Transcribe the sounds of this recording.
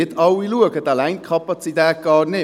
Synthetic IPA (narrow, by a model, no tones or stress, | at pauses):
ɪtʰɑwiluəɡət̪alæɪnkʰɑpɑt͡sit̪ɛːt̚ɡ̥ɑːrnɪ